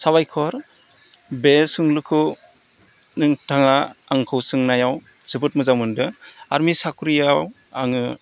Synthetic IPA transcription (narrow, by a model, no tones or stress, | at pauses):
saβajkʰɔɾ | besɯŋlukʰɯ | nɯŋtʰaŋaaŋkʰɯwsɯŋnajaw | z̥ɯbɯt̚mɯzawmɯndɯa̰ɾmisakɾijaw | a̰ŋɯ